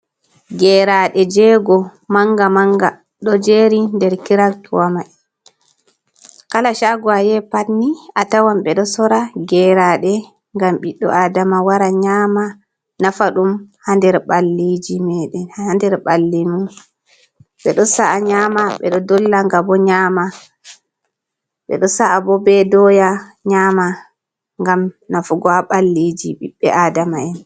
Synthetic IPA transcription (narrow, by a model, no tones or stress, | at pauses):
ɡɛɾaɗɛd͡ʒɛɡɔmaŋɡamaŋɡa | ɗɔd͡ʒeːɾindɛɾkiɾaktuwama | kalaʃaɡɔajɛpanːiatawamɓɛɗɔsɔɾaɡɛɾaɗɛ | ŋɡamɓiɗɔ̰ʔadamawaɾaɲaːma | nafaɗumhandɛɾɓalːid͡ʒimɛɗɛnhaandɛɾɓalːimum | ɓɛɗɔsaʔːɲamaɓɛ̰ɗɔdɔlːaŋɡabɔɲaːma | ɓɛ̰ɗɔsaʔːbɔbɛdɔjaɲaːma | ŋɡamnafuɡɔaɓalːid͡ʒiɓiɓːɛʔaːdamaɛn